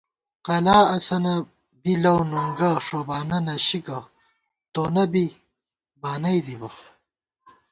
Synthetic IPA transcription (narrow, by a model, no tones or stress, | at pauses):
qɐlaːɐsɐnɐ | bilɐwnuŋɡɐʂobaːnɐnɐɕikɐ | t̪oːnɐbi | baːnɐjd̪ibɐ